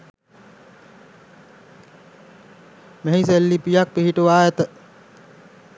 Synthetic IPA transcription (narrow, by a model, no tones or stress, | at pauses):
meɦiselːipijak̚piɦiʈuʋaːjet̪ə